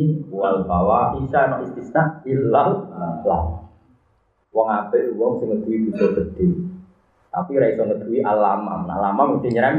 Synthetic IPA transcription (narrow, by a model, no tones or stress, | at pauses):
uwalbawaisanɔʔist̪isnaʔilːalla̰ | wɔŋab̥eʔluwɔŋsɪŋəd̪̥uwib̥ṳd̪ɔɡ̥əd̪̥e | t̪a̰piɾaisɔŋəd̪̥ṳwiʔalama̰mna̰lamamut̪iɲəɾaŋ